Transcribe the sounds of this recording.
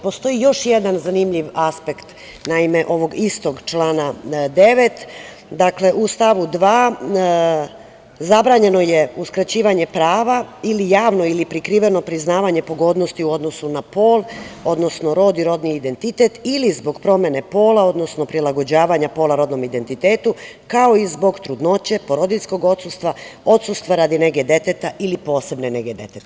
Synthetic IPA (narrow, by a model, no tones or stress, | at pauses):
po̞st̪o̞ijo̞ʃje̞d̪anzanimʎiʋaspekt̪ | naime̞ʔo̞ʋo̞ɡist̪o̞ɡt͡ʃlaːnad̪e̞ʋe̞t̪ | d̪akle̞ʔust̪aʋud̪ʋaː | zabɾaːɲe̞no̞je̞uskɾat͡ɕiːʋaɲe̞pɾaːʋailijaːʋnoilipɾikɾiːʋeno̞pɾiznaːʋaɲe̞po̞ɡo̞d̪no̞st̪iuo̞d̪no̞sunapo̞ːlˠo̞d̪no̞sno̞ɾo̞d̪iɾo̞d̪niːd̪e̞nt̪it̪et̪ilizbo̞ɡpɾo̞mje̞ne̞po̞ːlao̞d̪no̞sno̞pɾilˠaɡo̞d͡ʑaːʋaɲapo̞ːlaɾo̞d̪no̞mid̪e̞nt̪it̪e̞ːt̪u | kao̞izbo̞ɡt̪ɾud̪no̞t͡ɕe̞po̞ɾo̞d̪isko̞ɡo̞t̪sust̪ʋao̞t̪sust̪ʋaɾad̪ine̞ɡe̞d̪e̞t̪et̪aʔilipo̞ːse̞bne̞neɡe̞d̪e̞̰t̪et̪